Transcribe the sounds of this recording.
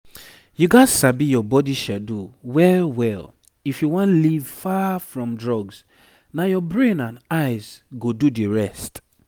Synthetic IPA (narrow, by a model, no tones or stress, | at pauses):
juɡasabijɔbɔdiʃaduwɛwɛl | ifjuwɔ̃nlivfafɹɔ̃mdɹɔɡz | najɔbɹẽnãnaɪzɡodudiɹɛst